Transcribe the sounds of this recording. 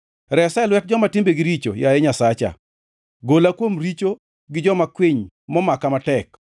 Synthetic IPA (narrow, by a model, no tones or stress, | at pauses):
ɾɛsɛlwɛt̚d͡ʒɔmatɪmbeɡɪɾit͡ʃo̰jajɛɲasat͡ʃa̰ | ɡolakwomɾit͡ʃo | ɡɪd͡ʒɔmakwiɲ | mɔmakamatɛk